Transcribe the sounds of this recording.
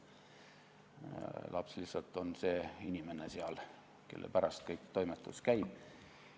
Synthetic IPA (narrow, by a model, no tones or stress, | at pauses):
lɑ̰pslisːɑlt̪ːˑo̞nse̞ːinʲime̞neseɑl | ke̞̰lːʔḛpæɾɑst̪̚kɤjkt̪o̞jmet̪ːˑuskæjb̥